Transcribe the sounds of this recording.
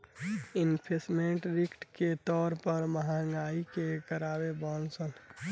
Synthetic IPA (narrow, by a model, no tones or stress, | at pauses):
inpʰesmeɳʈɾikʈket̪ɔɾpəɾməɦãŋɡaikekəɾabebəlsən